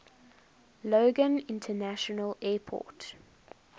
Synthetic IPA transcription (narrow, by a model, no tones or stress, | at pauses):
loːɡə̃nɪ̃ntʰənaʃɔnəlɛːpʰɔ̰ːˑt